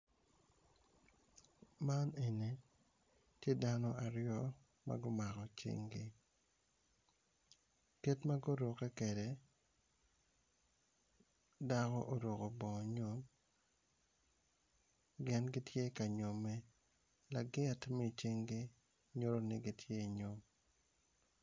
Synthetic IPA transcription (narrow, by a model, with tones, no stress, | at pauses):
ma˦ne˨ne˨ | tje˦da˦nɔ˦a˨ɾjɔ˦ | ma̰˦ɡo˦ma˨kɔ˨t͡ʃḛ˦ŋɡi˦ | ke˦tma˦ɡo˦ɾo˨kɛ˦ke˨de˨ | da˦kɔ˦ʔo˨ɾo˨ko˨bɔ˨ɲo˦m | ɡɪ˦nɡɪ˦tje˦ka˨ɲo˨me˦ | la˨ɡɪ˦˨tmɛ˦˨t͡ʃe˦ŋɡɪ˦ | ɲo˦ɾo˦nɪ˦ɡi˦tʰje˦˨ɲo˦m